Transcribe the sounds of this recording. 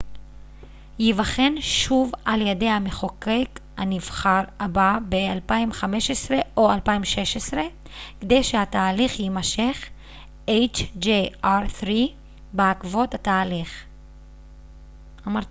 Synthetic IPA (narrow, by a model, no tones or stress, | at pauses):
jivaχe̞nʃuvaljede̞jhame̞χo̞kek | a̰nivχaʁababealpaimχame̞ʃesʁe̞ʔo̞alpaimʃe̞ʃesʁe̞ | ked̪ejʃehat̪aːliχjimaʃe̞χ | ʔejt͡ʃd͡ʒeaʁθʁi | beakvo̞tat̪aːliχ | amaʁt̪